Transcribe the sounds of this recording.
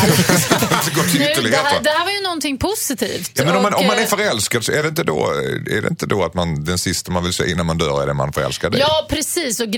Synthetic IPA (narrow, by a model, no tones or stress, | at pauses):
ɪt̪əɡɔt̪ʰːɪʏːəɭlɪh̪eːt̪əd̪ɛhæːɾvajɵnɔnt̪ɪŋːpʰʊsɪt̪ʰḭːft̪ɑːmɛnɔmanɔmːannæɾfœɾɛlskad̪sɔɛɖɛɪnt̪əd̪o̰ːæ̰ɖɛ̰ɪ̰nt̪əd̪oat̪mand̪ɛnsɪst̪amanvɪlsɛ̰ːʔɪnːanmand̪œːɾɛ̰ɖɛma̰nfœɾɛ̰lskad̪əɑːpʰɾɛsiːsɔɡ